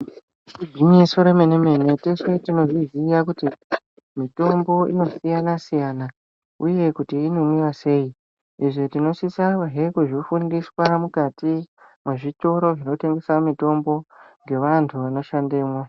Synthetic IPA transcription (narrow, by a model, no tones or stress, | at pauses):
ibʱinisoɾemeneme̞ne̞tesetino̞ʐizijakuti | mito̞mbo̞ḭno̞sijanasijana | uje̞kutiːnomwiwase̞ji | iʐetino̞sisawaɦekuʐifundiswamukati | mweʐito̞ɾo̞ʐino̞te̞ŋɡe̞samito̞mbo̞ŋɡe̞ʋantʰuʋano̞ʃande̞ːmwa